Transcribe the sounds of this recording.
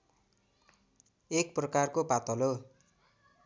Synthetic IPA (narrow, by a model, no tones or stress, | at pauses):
ek̚prʌkarkobat̪ʌlo